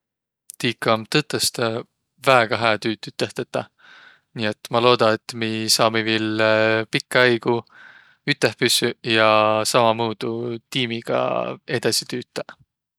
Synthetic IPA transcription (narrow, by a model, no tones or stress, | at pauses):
t̪iːkːˑɑmt̪ɤt̪ːˑest̪ | væeɡ̥ɑɦæːt̪yːt̪ːˑyt̪ːeht̪ɑt̪ːˑɑ | niːet̪mɑlo̞ːd̪̥ɑet̪ːmisɑːmivilpikˑːɑjɡ̥u | yt̪ːˑehpysyjɑsɑmɑmuːd̪̥ut̪iːmiɡ̥ɑ̰e̞d̪̥ɑsit̪yːt̪ːˑɑ